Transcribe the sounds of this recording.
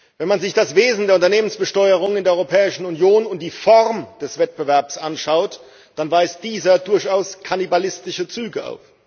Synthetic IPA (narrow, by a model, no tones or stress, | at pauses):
vɛnmanzɪçd̥asv̥eːzn̩deːɐʊntɐneːmənsb̥əʃtɔʏəʁ̞ʊŋɪndeːɐɔʁopʰɛːɪʃn̩ʊnjoːnʊnt̚d̥iːfɔʁmd̥ɛsv̥ɛt̚b̥əvɛɐpsʔanʃaʊt | d̥anvaɪsd̥iːzɐdʊɐçaʊskʰanibalɪstɪʃət͡syːɡəʔa̰ʊf